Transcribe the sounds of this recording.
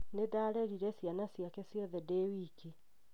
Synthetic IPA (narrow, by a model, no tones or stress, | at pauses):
nedaɾɛɾiɾɛsjanasjakɛsjɔðɛdewiki